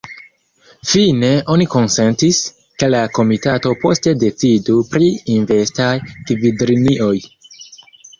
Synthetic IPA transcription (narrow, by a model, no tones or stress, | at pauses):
fine̞ʔo̞niko̞nse̞ntis | ke̞lako̞mitato̞po̞ste̞de̞t͡sidupɾiːnve̞stajkvidɾiniʔo̞j